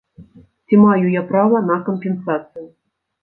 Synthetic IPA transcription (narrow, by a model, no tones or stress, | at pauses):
t͡sʲimajujapɾavɐnɐkəmʲpʲɛnsat̪sɨjʊ